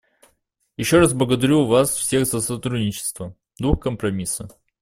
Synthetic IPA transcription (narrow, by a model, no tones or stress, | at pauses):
jɪɕːoɾazblˠəɡəd̪ɐɾʲuvasfsʲeɣzəsɐt̪ɾudʲnʲɪt͡ɕɪ̥st̪və | d̪uxkəmpɾɐmʲisə